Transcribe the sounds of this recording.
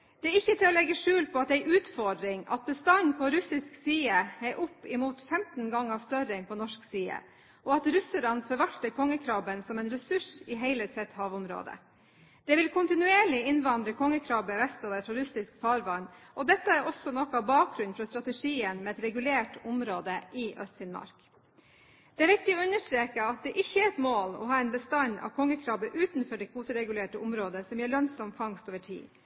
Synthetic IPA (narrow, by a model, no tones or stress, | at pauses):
d̪̥ɛæɾɪçːət̪ʰɪlɔlɛɡːəʂʉːlpʰɔɑt̪̚ɛæɪʔʉːt̪fɔɖ̪ɾɪŋɑ̰t̪̚bəst̪ɑnpʰɔɾʉsɪsksiːəhæʔʊpːɪmuːt̪fɛmt̪n̩ɡɑŋːɑst̪œɾɪŋpʰɔnɔʂksiːə̰ | ʔɔɑt̪ɾʉsəlɑnfɔɾʋɑlt̪əkʰɔŋːəkʰɾɑːbənsɔmɛɪnɾɛsʉʂɪɦæɪləsɛt̪hɑːʋʊmɾo̰ːd̪ə̰ | d̪̥ɛʋɪlkʰʊnt̪ɪnʉeːɭɪɪnʋɑnd̪ɾəkʰɔŋːəkʰɾɑːbəʋɛst̪oːʋəɾfɾɑɾʉsɪskfɑːɾʋɑnʔɔd̪ɛt̪ːəæɾʔɔsɔnɔkːɑbɑːk̚ɡɾʉnfɾɑst̪ɾɑt̪ɛʂiːənmɛːɛt̪ɾɛɡʉleːʈʊmɾoːd̪əʔɪʔœ̰st̪fɪnmɑ̰ɾk | d̪̥ɛæːɾʋɪk̚t̪ɪoːʉnːəʂʈ̪ɾeːkəɑt̪̚d̪ɛʔɪçːəæɾɛt̪moːlɔ̰ɦɑːɛnbəst̪ɑɲɑ̰ʋkʰɔŋːəkʰɾɑːbəʔʉːt̪nfɔɖɛkʰuːt̪əɾɛɡʉleːʈəʊmɾoːd̪əsɔmjæːɭœnsɔmfɑŋst̪oːʋəʈʰḭː